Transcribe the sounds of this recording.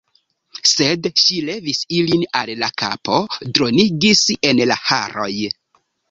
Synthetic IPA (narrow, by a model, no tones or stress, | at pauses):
se̞dʃile̞visilinallaka̰po̞dɾo̞niɡise̞nlaha̰ɾo̞̰j